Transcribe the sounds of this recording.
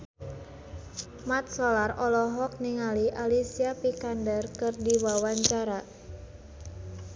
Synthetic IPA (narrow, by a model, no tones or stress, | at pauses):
mat̪̚sɔlarɔlɔɦɔk̚niŋaliʔalisiapikandərkɨrdiwawaɲt͡ʃaɾa